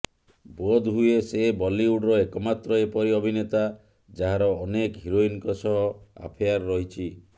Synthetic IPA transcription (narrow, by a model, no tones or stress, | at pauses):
bod̪ɦuesebɔliuɖɾɔekɔmat̪ɾɔepɔɾiɔbʱinet̪a | d͡ʒaɦaɾɔːnekɦiɾoinkɔsɔɦɔa̰pʰijaɾːɔɦit͡ʃʰi